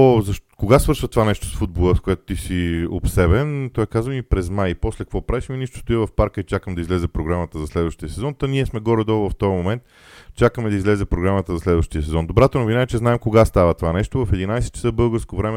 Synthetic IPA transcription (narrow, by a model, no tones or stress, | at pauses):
zɐʃkoɡasvɤɾʃvət̪ovanɛʃt̪o̥sfud̪̚bolˠəskoɛt̪o̥t̪isio̰psɛbɛnt̪ɔɛkazvəmipɾɛzmajpɔslɛkəkvɔpɾaviʃminiʃt̪o̥st̪ʊivɐfpaɾkəit͡ʃakəmd̪ɐizlɛzɛpɾoɡɾamət̪əzɐslɛd̪vəʃt̪iəsɛzɔnt̪ɐniɛsmɛɡɔɾɛd̪ɔvɐft̪ɔjəmomɛnt̪ | t͡ʃakəmɛd̪ɐizlɛzɛpɾoɡɾamət̪əzɐslɛd̪vəʃt̪iəsɛzɔnd̪obɾat̪onovinaɛt͡ʃɛznaɛmkoɡast̪avət̪ovanɛʃt̪ovɐfɛd̪inajsɛt̪̚t͡ʃsɤbɤlˠɡəɾskovɾɛmɛ